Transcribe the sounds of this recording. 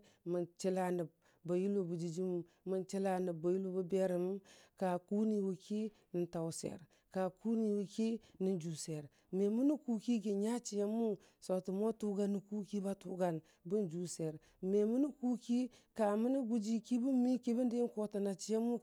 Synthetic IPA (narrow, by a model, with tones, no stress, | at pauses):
mə˨nt͡ʃi˦la˦ni˨b̚ | ba˨ju˦lo˨bu˨d͡ʒi˨d͡ʒi˦m˨ | mə˨nt͡ʃi˦la˦ni˨ba˨ju˦lo˦bu˦be˦ɾi˨m˦ka˨ku˦ni˨wu˨ki˦ | ni˨nta˨wsḛ˨ɾ | ka˨ku˦ni˨wu˨ki˦ni˨nd͡ʒu˨se˨ɾ | me˨mu˦ni˦ku˦ki˦ɡe˨ɲa˦t͡ʃi˨je˦mu˦ | so˨tu˨mo˦tu˦ɡa˦nːi˨ku˦ki˦ba˦tu˦ɡa˨n | bu˦nd͡ʒu˨˦se˨ɾ | me˨mu˦ni˦ku˦ki˦ka˨mu˦ni˦ɡu˦d͡ʒi˦ki˦bu˦mi˦ki˦bi˦ndi˦ko˦ta˨na˨t͡ʃi˨˦je˦mu˦